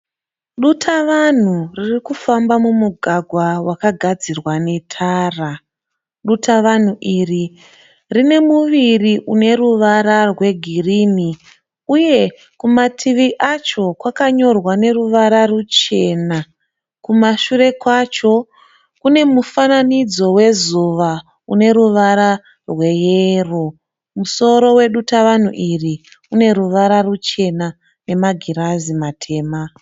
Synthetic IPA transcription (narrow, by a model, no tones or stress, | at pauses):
ɗutʰaʋan̤uririkufambamumuɡʱaɡʱwawakaɡʱad͡zirwane̞tʰaːra | ɗutʰaʋan̤uʔiri | rine̞muʋiriʔune̞ɾuʋaɾarwe̞ɡʱirini | uje̞ | kumatʰiʋiʔat͡ʃo̞kwakaɲo̞rwane̞ruʋaɾarut͡ʃe̞ːna | kumaʃure̞kwat͡ʃo̞ | kune̞mufananid͡zo̞we̞zuʋa | une̞ɾuʋaɾa | rwe̞jero | muso̞ɾo̞we̞ɗutaʋan̤uʔiri | une̞ɾuʋaɾarut͡ʃe̞na | ne̞maɡʱiɾazimatʰe̞ːma